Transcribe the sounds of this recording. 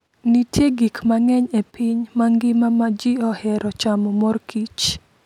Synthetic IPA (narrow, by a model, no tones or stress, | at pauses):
nitʰjeɡikmaŋɛɲepiɲmaŋɡɪmamad͡ʒiɔhɛɾɔt͡ʃamɔmɔrkit͡ʃ